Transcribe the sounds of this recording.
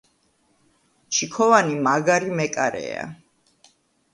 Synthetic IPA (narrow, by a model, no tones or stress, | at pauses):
t͡ʃʰikʰɔvanimaɡaɾimɛkʼaɾɛ̰a̰